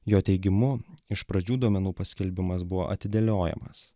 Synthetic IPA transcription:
joːt̪ʲɛɪɡʲɪmʊɪʃpɾɐd͡ʒʲuːd̪uɔmʲɛnuːpɐsʲkʲɛlʲbʲɪmɐsbʊʋo̰ːʔɐt̪ʲɪd̪ʲɛlʲoːjɛ̰mɐ̰s

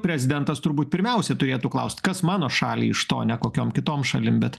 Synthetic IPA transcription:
pʲɾʲɛzʲɪd̪ʲɛnt̪ɐst̪ʊɾbuːt̪̚ʲpʲɪɾʲmʲɛʊsʲɛt̪ʊɾʲeːt̪uːklˠɐʊsʲt̪ʲkɐsmɑːnoːʃɑːlʲḭːɪʃt̪o̰ːnʲɛkoːkʲoːmkʲɪt̪oːmʃɐlʲɪmbʲɛt̪

